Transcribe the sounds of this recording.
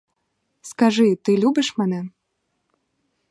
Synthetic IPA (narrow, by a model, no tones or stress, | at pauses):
skaʐɨt̪ɨlʲubɨʂmanɛ